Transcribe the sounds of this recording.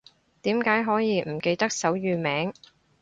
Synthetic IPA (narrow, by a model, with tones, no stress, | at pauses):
t̪iː˨˥mkaː˨˥jɦɔː˨˥jiː˨˧m̩˨˩ke˧jt̪ɐ˥k̚sɐ˨˥wjyː˨˧mɛː˨˥ŋ